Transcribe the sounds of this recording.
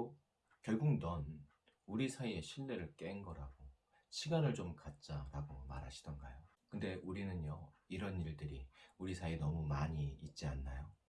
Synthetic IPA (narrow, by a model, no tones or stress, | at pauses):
o | kjʌɭɡuŋnʌn | uɾisʰaie̞ɕʰiɭːe̞ɾɯɭk͈enɡʌɾaɡo | ɕʰiɡanɯɭt͡ɕomkat̚t͡ɕ͈aɾaɡomaɾɦaɕʰidʌnɡajo | kɯnde̞ʔuɾinɯnjʌiɾʌniɭdɯɾiuɾisʰainʌmumaɲiːt̚t͡ɕ͈ianːajo